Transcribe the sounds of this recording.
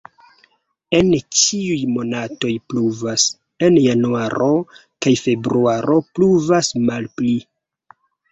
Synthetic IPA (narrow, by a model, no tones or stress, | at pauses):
e̞nt͡ʃiujmo̞nato̞jpluvas | e̞njanuaɾʔo̞kajfe̞bɾuaɾʔo̞pluvasmalpli